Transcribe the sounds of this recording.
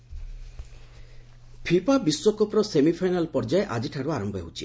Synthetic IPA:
pʰipabiswɔkɔpɾɔsemipʰajnalpɔɾd͡ʒaeʔad͡ʒiʈʰaɾuaɾɔmbɔḛɦut͡ʃʰi

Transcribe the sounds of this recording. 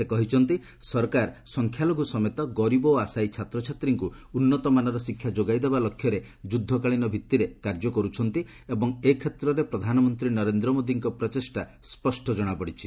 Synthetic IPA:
sekɔɦit͡ʃʰɔnt̪i | sɔɾkaɾsɔŋkʰjaloɡusɔmet̪ɔɡɔɾibɔasajt͡ʃʰat̪ɾɔt͡ʃʰat̪ɾiŋku | unːɔt̪ɔmanɔɾɔsikʰːjad͡ʒoɡajd̪ebalɔkʰjɔɾe | d͡ʒud̪ʱːɔkaɭinɔbʱit̪ːiɾekaɾd͡ʒɔkɔɾut͡ʃʰɔnt̪i | ebɔŋekʰːet̪ɾɔɾepɾɔd̪ʱanɔmɔnt̪ɾinɔɾend̪ɾɔmod̪iŋkɔpɾɔt͡ʃesʈa | spɔsʈʰɔd͡ʒɔɽ̃apɔɽit͡ʃʰi̥

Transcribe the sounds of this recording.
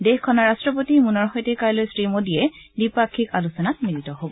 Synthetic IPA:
dexkʰɔnɔɹastɹɔp̬otimunɔɹxɔjtekajlojsɹimodiɛ | dipakʰːikalusɔnat̚minitɔɦobɔ

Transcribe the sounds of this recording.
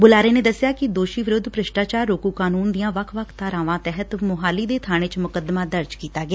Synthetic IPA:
bʊlaːɾeːneːd̪əsːɪjaːkɪd̪oːʃiːʋɪɾʊd̪pɾəʃʈaːt͡ʃaːɾːoːkuːkaːnuːnd̪ɪijãːʋəkʰʋəkʰt̪aːɾãːʋãːt̪ɛːɦət̪mʊɦaːliːd̪eːt̪ʰaːɽ̃eːt͡ʃmʊkəd̪mãːd̪əɾd͡ʒkiːt̪aːɡɪaː

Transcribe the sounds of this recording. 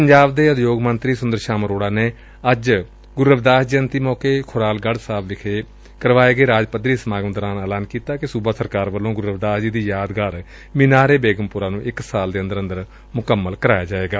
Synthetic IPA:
pəɲd͡ʒaːbd̪eːəd̪joːɡmənt̪ɾiːsʊnd̪əɾʃaːmɾoːɽaːneː | əd͡ʒ | ɡʊɾəʋd̪aːsd͡ʒiːənt̪iːmɔːkeːkʰʊɾaːlɡəɽsaːblɪkʰeː | kəɾʋaːeːɡeːɾaːd͡ʒpəd̪ɾiːsəmaːɡəmd̪əɾaːnəːlaːnkiːt̪aːkɪsuːbaːsəɾkaːɾʋəlːõːɡʊɾəʋd̪aːsd͡ʒiːd̪iːjaːd̪ɡaːɾ | mɪnaːɾeːbeːɡəmpʊɾaːnũːʔɪksaːld̪eːə̃nd̪əɾə̃nd̪əɾ | mʊkəmːəlkəɾaːjaːd͡ʒaːeːɡaː

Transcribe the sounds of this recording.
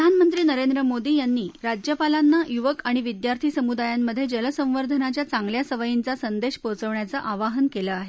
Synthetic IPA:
d̪ʱanmənt̪ɾiːnəɾend̪ɾəmod̪iːjanːiːɾad͡ʑjəpalanːajuʋəkaɽ̃iʋid̪jaɾt̪ʰiːsəmud̪ajamːəd̪ʱːjed͡ʑələsə̃ʋəɾd̪ʱənat͡ɕjat͡saŋɡljasəʋəjint͡sasənd̪eɕpot͡səʋɳjat͡səʔaʋaɦənkeləaɦe

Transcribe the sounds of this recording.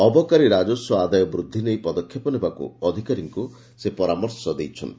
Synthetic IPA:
ɔbɔkaɾiɾad͡ʒɔsɔad̪ajɔbɾud̪ʱːinejpɔd̪ɔkʰːjepɔnebakṵɔd̪ʱikaɾiŋku | sepɔɾamɔɾsɔd̪ejt͡ʃʰɔ̰n

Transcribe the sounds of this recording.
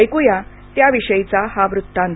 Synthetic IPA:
jkuja | t̪jaʋiɕəjt͡sahaʋɾut̪ːãn

